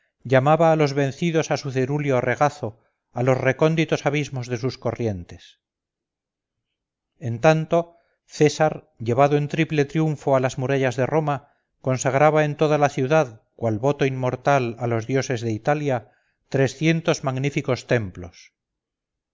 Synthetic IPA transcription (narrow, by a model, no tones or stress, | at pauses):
ʎamaβaːlo̞zβe̞n̟θiðo̞sasuθeɾuljore̞ɣ̞aθo̞ | alo̞sre̞ko̞nd̪it̪o̞saβizmo̞zðe̞susko̞rje̞nt̪e̞s | e̞nt̪ant̪o̞ | θe̞saɾ | ʎe̞βaðoe̞nt̪ɾiple̞t̪ɾjuɱfo̞alazmuɾaʎazðe̞ro̞ma | ko̞nsaɣɾaβae̞nt̪o̞ðalaθjuðaðkwalβo̞t̪o̞imːo̞ɾt̪alalo̞zðjo̞se̞zðe̞it̪alja | t̪ɾe̞sθje̞nt̪o̞zmaɣnifiko̞st̪e̞mplo̞̰s